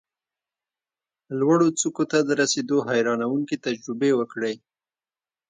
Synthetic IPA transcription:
lwaɽot͡sukot̪ad̪əɾased̪oɦajɾɑnawuŋkit̪ad͡ʒɾʊbewəkɽe

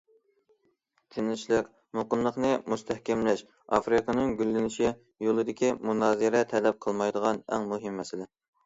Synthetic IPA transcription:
t̪ʰɪnɪlɪʃlˠɪk | moqəmlˠəχnɨmust̪ʰɛhkʲɛmlɛʃ | ɑ̰fɾɨkənɨŋɡʲylːɪnɪʃi | jolˠɨd̪ɪkʲimunɑːzɨɾɛt̪ʰɛlɛp̚qʰəlˠmɑjd̪əʁɑnɛ̰ŋmuɦɪmːɛsɪlɪ

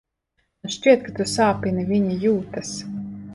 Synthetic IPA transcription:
ʃt͡ʃʲiɛt̪̚kat̪usaːpʲinivʲiɲijuːt̪as

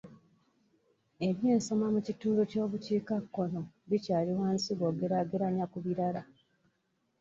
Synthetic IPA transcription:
e̞βje̞ːnso̞mamucituːnduco̞ːβuciːkakːo̞no̞ | βicaːliwaːnsiɡo̞ːɡeɾaɡeɾaɲakuβiɾala

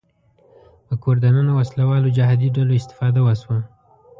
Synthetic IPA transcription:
pəkoɾd̪ananawaslawɑlod͡ʒaɦɑd̪iɖaloɪst̪ɪ̥fɑd̪awəswa

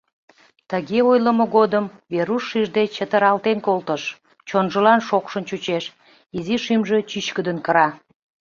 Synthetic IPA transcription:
t̪əɣeojləmoɣod̪əmveɾuʃːiʒd̪et͡ɕət̪əɾɑlt̪enkolt̪əʃ | t͡ɕonʒəlɑnʃokʃənt͡ɕut͡ɕeʃ | iziʃimʒe̽t͡ɕyt͡ɕkəd̪ənkəɾɑ

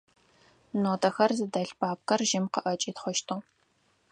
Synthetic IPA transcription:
noːtʰɐxɐrzɨdɐɬbʰaːp̚kɐrʒɪmqəʔɐt͡ʃʼiːtχʷɔʃtʰɨʁ

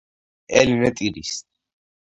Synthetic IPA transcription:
ɛlinɛt̪ʼiɾis

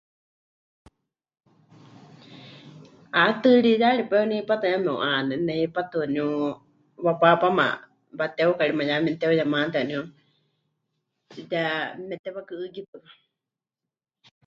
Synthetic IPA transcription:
at̪ɨɺijaɺipɛonihipat̪jamɛ̃ṵʔanɛnɛhipat̪ɨnũ | βapapama̰ | bat̪ɛokaɺimajamɛnt̪ɛojamãnt̪ɛaniu | jamɛt̪ɛβakɨɨkipɨka

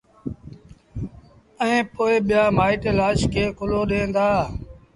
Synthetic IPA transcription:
əẽːpoːɪɓɪjaːmaːiːʈelaːʃkʰeːkʊloːɗẽːnd̪aː

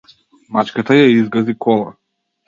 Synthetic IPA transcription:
mat͡ʃkat̪ajaizɡazikʰɔlˠa

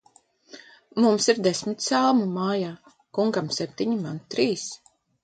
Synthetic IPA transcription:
mumsiɾd̪esʲmit̪salˠmumaːjaː | kuŋɡamsɛp̚ʲt̪ʲiɲimant̪ɾiːs

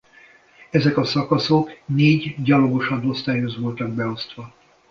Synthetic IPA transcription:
ɛzɛkɒsɒkɒso̞kneːɟɟɒlo̞ɡo̞ʃɒnːo̞st̪aːjøzʋo̞lt̪ɒɡ̚bɛo̞st̪ʋɒ

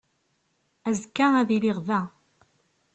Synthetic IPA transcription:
æzkːaæðiliʁvæ

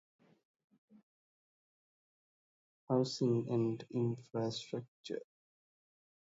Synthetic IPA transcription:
haʊsɪ̃ŋæ̃ɳɖɪ̃nfɾasʈɾək̚t͡ʃə̰

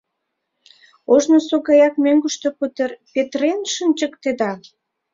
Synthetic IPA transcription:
oʒnosoɣɑjɑk̚møŋɡəʃt̪oput̪erpet̪renʃənʲt͡ɕəkt̪ed̪ɑ

